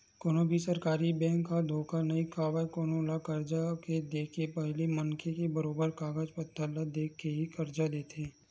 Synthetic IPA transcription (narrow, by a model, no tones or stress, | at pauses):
koːnobʱisɐɾkaːɾibɛ̃ːŋkːad̪ʱoːkanɐikʰaːʋajkoːnolakɐɾd͡ʒaked̪eːkʰepɛɦlimɐŋkʰekebəɾoːbəɾkaːɡəd͡ʒpət̪ʰːəlad̪eːkʰːeɦikɐɾd͡ʒad̪eːt̪ẽː